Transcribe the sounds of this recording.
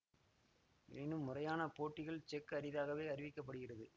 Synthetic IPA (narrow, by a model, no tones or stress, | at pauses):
ḛːnɯmːʊrɐjaːnɐpoːʈːɪɣɐɭt͡ʃɛkːɯɐɾɪðaːɣɐʋeːɐɾɪʋɪkːɐpːɐɽɯɣɪrɐðɯ